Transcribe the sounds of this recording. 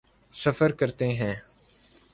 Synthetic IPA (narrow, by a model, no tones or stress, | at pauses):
səfəɾkəɾt̪eːɦɛ̃ː